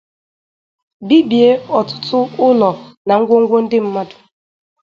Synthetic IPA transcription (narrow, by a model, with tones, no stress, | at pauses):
bi˦bje˦ɔ˨tʊ̥˦tʰʊ˦ʊ˦lɔ˨na˨ŋ̩˦ɡʷo˦ŋ̩˦ɡʷo˦n̩˦dɪ˦m̩˦ma˦dʊ̥˨